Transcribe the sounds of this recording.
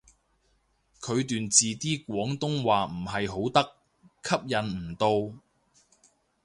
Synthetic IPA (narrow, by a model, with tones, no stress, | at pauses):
kʰɵ˨˧ɥt̪yː˨nt͡siː˨t̪iː˥kʷwɔː˨˥ŋt̪ʊ˥ŋwaː˨m̩˨˩ɦɐ˨jɦo˨˥wt̪ɐ˥k | kʰɐ˥p̚jɐ˨˧˥nm̩˨˩t̪o˧w